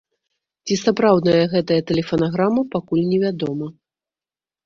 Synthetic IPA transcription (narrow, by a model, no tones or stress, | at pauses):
t͡sʲisapɾawd̪nɐjɐɣɛt̪ɐjɐt̪ɛlʲɛfɐnaɣɾamɐpakulʲnʲɛvʲad̪ɔmɐ